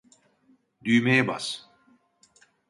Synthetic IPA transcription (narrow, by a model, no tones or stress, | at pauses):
d̪yjmejɛba̰s